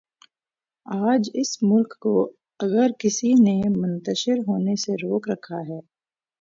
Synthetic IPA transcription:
aːd͡ʒɪsmʊlkːo | ɐɡəɾkɪsinemʊ̃nt̪əʃɪɾɦoːneseɾoːkɾɐkʰaɦɛː

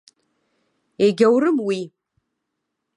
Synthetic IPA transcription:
eɡʲawɾɨmwi

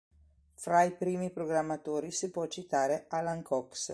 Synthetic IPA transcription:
fɾajpɾiːmipɾoɡɾamːat̪oːɾisipwɔt͡ʃːit̪aːɾealaŋkʰɔks

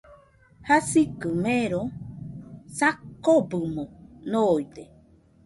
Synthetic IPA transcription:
hasikɨmeɾo | sakːobɨmonojd̪e

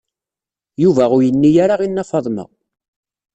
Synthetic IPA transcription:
juvæʁʊɾjənːijaɾaʁinːɑfɑðˤmə̰

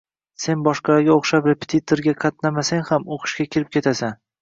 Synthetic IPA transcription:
se̞nbɒʃqɑɾaɡʲaoqʃapɾepʰe̥t̪ʰit̪ʰoɾɡʲaqʰɑt̪̚namasaŋhamoqʰɨ̥ʃkʲakʲʰɪɾɪp̚kʲʰe̞t̪ʰasan

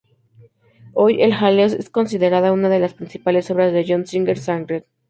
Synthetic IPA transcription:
o̞je̞lxalesḛsko̞ns̬iðe̞ɾaðounaðe̞laspɾinsipale̞so̞βɾazðe̞ʝonsiŋɡeɾsaŋɡɾet̪

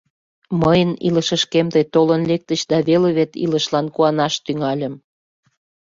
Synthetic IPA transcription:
məjənḭləʃəʃkemt̪əjt̪olənlek̚t̪ət͡ɕd̪ɑβeleβet̪ḭləʃlɑnkuɑnɑʃt̪yŋɑlʲəm

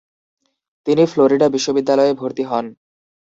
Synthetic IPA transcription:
t̪inifloɾiɖabiʃːobid̪ːalɔebʱoɾt̪iɦɔn

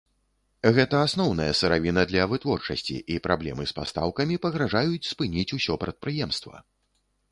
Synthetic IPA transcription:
ɣɛt̪ɐasnɔwnɐjɐsɨɾavʲinɐd̪lʲɐvɨt̪vɔrt͡ʂɐsʲt͡sʲḭʔipɾʔablʲɛ̰mɨspa̰st̪a̰wkɐmʲipɐɣɾaʐajut͡sʲspɨnʲit͡sʲusʲɔpɾɐt̪̚pɾɨjɛmst̪vɐ̰

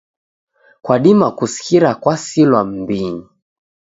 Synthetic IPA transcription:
kwaɗimakusi̥kiɾakwasilwam̩biɲi

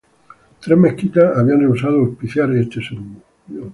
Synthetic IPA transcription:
t̪ɾemekit̪aaβianreusaðoospiθjaɾest̪eseɣunu | o

